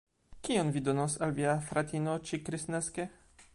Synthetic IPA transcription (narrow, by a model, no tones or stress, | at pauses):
kionvid̪onosalviafɾat̪inot͡ʃikɾisneske